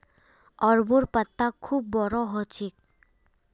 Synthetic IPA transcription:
ɔɾbuɾpət̪ːakʰːubːɔɾɔɦɔt͡ʃik̚

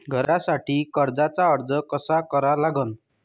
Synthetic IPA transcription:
ɡʱɔɾasaʈʰikɔɾd͡ʒat͡saɔɾd͡ʒɔkɔsakɔɾalaɡɔn

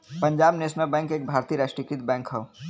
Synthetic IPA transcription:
pə̃ɲd͡ʒaːbneːsnəlbɛ̃ːŋkeːk̚bʱaːɾt̪iɾaːʃʈɾikɾit̪̚bɛ̃ːŋkɦəo

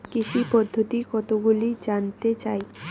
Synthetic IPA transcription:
kiʃipɔd̪ʱːot̪ikɔt̪oɡulid͡ʑant̪et͡ɕae

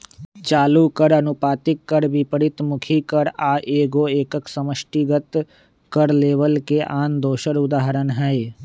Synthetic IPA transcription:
t͡ʃaːlukəɾənʊpaːt̪ɪkːəɾbipəɾɪt̪mʊkʰikəɾaːʔeːɡoeːkəksəməʃʈiɡət̪ | kəɾleːʋəlkeʔaːnd̪oːʃəɾʊd̪aːɦəɾənɦɛe

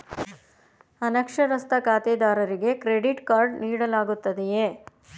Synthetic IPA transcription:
ɐnɐkʂɐɾɐst̪ɐkaːt̪eːd̪aːɾɐɾiɡe̞kɾeɽiʈkaːɾɖniːɽɐlaːɡut̪ːɐd̪ejeː

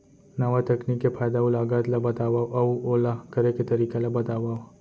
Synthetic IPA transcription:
nɐʋat̪ɐkniːkːepʰaːjd̪aʊlaːɡat̪labɐt̪aːʋaoʔɐuoːlakɐɾeket̪ɐɾiːkelabɐt̪aːʋao

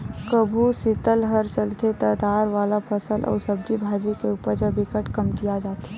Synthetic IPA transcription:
kəbʱusɪt̪əlɦəɾt͡ʃəlt̪et̪əd̪aːɾʋaːlapəsəlʔɔ̰ːɾsəb̚d͡ʒibʱaːd͡ʒikeupəɾd͡ʒəbikəʈkəmt̪ijad͡ʒaːt̪e

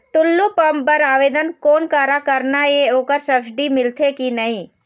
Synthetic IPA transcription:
ʈ̪ʊlːupəmpəɾaːʋeːd̪ənkoːnkaːɾakəɾnaeoːkəɾsəbsɖimɪlt̪ʰekinəĩː

